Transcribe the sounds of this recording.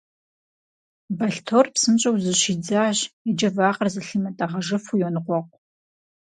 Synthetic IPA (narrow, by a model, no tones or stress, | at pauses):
bɐɬtʰoːrpsɨmɕʼɐwzɨɕiːd͡zaːʑid͡ʒɐvaːqɐrzɨɬɨmɐtʼaʁɐʒɨfujɔnɨqʷɔqʷʼ